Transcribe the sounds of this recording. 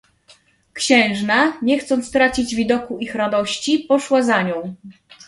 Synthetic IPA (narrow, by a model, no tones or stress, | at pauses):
kɕɛ̃w̃ʐnaɲɛxt̪sɔnt̪st̪ɾat͡ɕid͡ʑvʲid̪ɔkuixɾad̪ɔɕt͡ɕipɔʂwazaɲɔ̃w̃